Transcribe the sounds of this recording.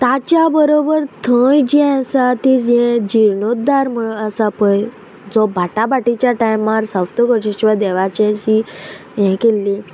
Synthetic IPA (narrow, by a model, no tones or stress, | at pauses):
t̪at͡ɕjabəɾobəɾt̪ʰə̃jd͡ʑɛ̃əsat̪id͡ʑɛ̃d͡ʑiɾɳot̪̚d̪aɾməɭəsapəj | d͡zɔbʱaʈabaʈit͡ɕjaʈajmaɾsawt̪oɡɔɕiɕʋad̪ɛʋat͡ɕɛ̃t͡ɕi | jɛ̃kelːi